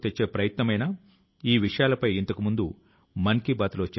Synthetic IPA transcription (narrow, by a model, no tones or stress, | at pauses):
t̪et͡ʃːe̞ːpɾɐjɐt̪nɐmɐjnaː | iːʋiʂɐjaːlɐpɐjint̪ɐkumund̪u | mɐnkibaːt̪lo̞ːt͡ʃe